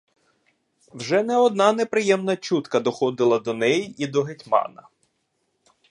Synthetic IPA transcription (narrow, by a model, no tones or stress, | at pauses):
wʒɛnɛɔd̪nɑnɛpɾɪjɛmnɐt͡ʃut̪kɐd̪ɔxɔd̪ɪlˠɐd̪ɔnɛjiʔid̪ɔɦetʲmɑ̰nɐ